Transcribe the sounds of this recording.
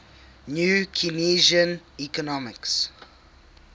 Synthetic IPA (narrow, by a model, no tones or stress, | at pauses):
njukʰiniʒə̃n | ikɔnɔmɪks